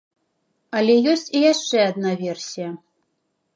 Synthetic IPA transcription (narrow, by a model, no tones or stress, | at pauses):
alʲɛjɔsʲt͡sʲijaʂt͡ʂɛad̪̚navʲɛrsʲijɐ